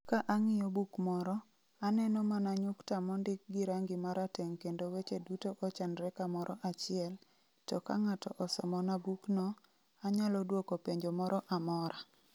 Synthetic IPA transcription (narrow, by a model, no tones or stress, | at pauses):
kaʔaŋɪjɔbukmɔɾɔ | anɛnɔmanaɲʊktamɔndɪk̚ɡɪɾaŋɡɪmaɾateŋkendowet͡ʃedutoʔɔt͡ʃanɾɛkamɔɾɔʔat͡ʃɪɛl | tɔkaŋatɔʔɔsɔ̰mɔnabuknɔ | aɲalɔdwokopeɲd͡ʒomɔɾɔʔamɔɾa